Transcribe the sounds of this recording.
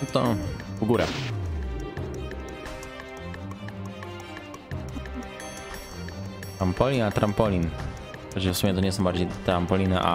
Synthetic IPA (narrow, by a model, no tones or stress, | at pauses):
t̪ɔvɡuɾɛ̰ | t̪ɾampɔlʲinat̪ɾampɔlʲin | pɛt͡ɕɛfsumʲɛt̪ɔɲɛs̬ɔ̃w̃baɾd͡ʑejt̪ɾampɔlʲinɛ̰ʔa̰